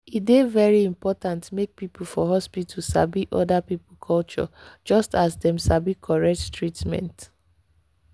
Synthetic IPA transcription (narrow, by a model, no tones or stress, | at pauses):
idevɛɹiĩmpɔtãntmek̚pipul̩fɔɦɔspitʰusa̰biʔɔdapipl̩kʰɔlt͡ʃɔ̰d͡ʒɔstasdɛ̃msabikʰɔɹɛt͡ʃtɹitmɛ̰̃nt